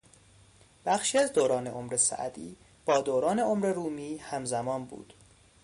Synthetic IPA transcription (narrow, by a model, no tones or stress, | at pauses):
b̥æxʃiːæzd̪oːɾɒːne̞o̞mɾesæ̰ʔd̪iː | b̥ɒːd̪oːɾɒːne̞omɾe̞ɾuːmiːhæmzæmɒːnbṵːd̪̥